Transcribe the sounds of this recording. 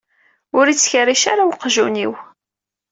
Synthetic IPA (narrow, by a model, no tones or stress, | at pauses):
ʊɾit͡sːçəɾiʃaɾawqʒuniw